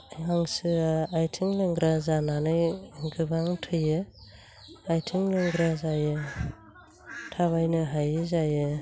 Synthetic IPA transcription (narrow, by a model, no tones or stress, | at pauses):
jaŋsɯaːjtʰiŋlɯŋɡɾazananɯjɡɯbaŋtʰɯjɯ | ajtʰiŋlɯŋɡɾazajɯ | tʰaβajnɯɦajzajɯ